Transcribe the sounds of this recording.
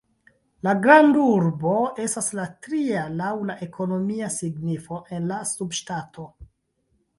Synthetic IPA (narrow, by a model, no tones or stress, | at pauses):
laɡɾanduɾbo̞e̞staslatɾialawlaʔe̞kʰo̞no̞miasiɡnifo̞ʔe̞nlasubʃtatʰo̞